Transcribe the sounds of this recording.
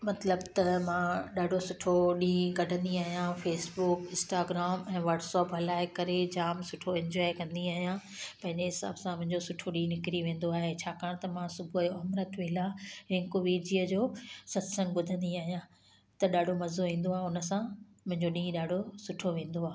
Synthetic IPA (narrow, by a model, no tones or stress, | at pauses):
mɐt̪ləbt̪ɐmãɗaːɖʱosʊʈʰoɗĩːɡɐɖʱə̃nd̪iaːɦijãfeːsbʊkɪ̃nsʈaːɡɾaːmɛ̃ːʋɐɾɖsɔːpɦɐlaːɪkɐɾed͡ʑaːmsʊʈʰoɛ̃ɲd͡ʑɔːɪkɐ̃nd̪iaːɦijã | pɐ̃ɦɪ̃ɲd͡ʑeɦɪsa̰ːbsãmʊ̃ɦɪ̃ɲd͡ʑosʊʈʰoɗĩːnɪkɪɾiʋẽːn̆d̪oaːɦet͡ɕʰaːkaːɽ̃t̪ɐmãsʊbʱuɐjoɐmɾət̪ʋeːlaːɾɪ̃ŋkoʋiːɾd͡ʑiːəd͡ʑoːsɐt̪sə̃ŋɡɓʊd̪ʱə̃nd̪iaːɦijã | t̪ɐɗaːɖʱomɐzoʋĩːn̆d̪oaːʊnə̆sã | mʊ̃ɦɪ̃ɲd͡ʑoɗĩːɗaːɖʱosʊʈʰoʋẽːn̆d̪oaː